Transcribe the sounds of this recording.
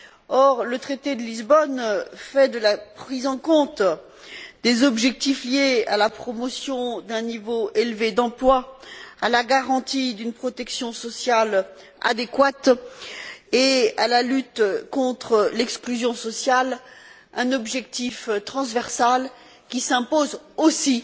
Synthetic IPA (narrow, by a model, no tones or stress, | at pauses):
ɔʁlət̪χet̪ed̪əlizbɔnfɛd̪əlapχizɑ̃kɔ̃t̪ | d̪ezɔbʒɛk̚t̪ifljea̰lapχɔmɔsjɔ̃d̪ɛ̃nivoelved̪ɑ̃plwaalaɡaʁɑ̃t̪id̪ynpχɔt̪ɛksjɔ̃sɔsjal | a̰d̪ekwat̪ | ealalyt̪kɔ̃t̪χəlɛksklyzjɔ̃sɔsjal | ɛ̃nɔbʒɛk̚t̪ift̪χɑ̃zvɛʁsal | kʲisɛ̃pozosi